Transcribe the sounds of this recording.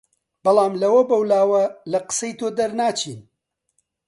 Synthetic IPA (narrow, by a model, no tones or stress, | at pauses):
b̥ɐlˠɑːmlɐwɐbɐwlaːwɐlɐqɨ̥sɐjt̪oːd̪ɐɾnaːt͡ʃʰiːn